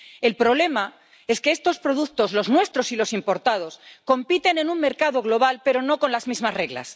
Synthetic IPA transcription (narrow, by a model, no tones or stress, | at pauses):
e̞lpɾo̞β̞le̞ma | e̞ske̞est̪o̞spɾo̞ðuk̚t̪o̞zlo̞znwe̞st̪ɾo̞silo̞simpo̞ɾt̪að̞o̞sko̞mpit̪e̞ne̞nuŋme̞ɾkað̞o̞ɣ̞lo̞β̞alpe̞ɾo̞no̞ko̞nlazmizmasre̞ɣla̰s